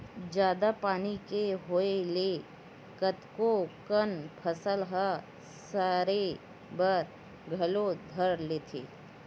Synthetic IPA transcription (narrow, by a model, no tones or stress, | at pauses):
d͡ʒjaːd̪apaːnikeɦoele | kət̪kokənpʰəsəlɦa | saːɾe | bəɾ | ɡʱɐlod̪ʱəɾleːt̪ʰḛː